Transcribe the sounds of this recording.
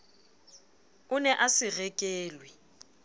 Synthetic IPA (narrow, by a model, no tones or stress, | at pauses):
ʊnɛʔasɪrɛkʼeːlwɪ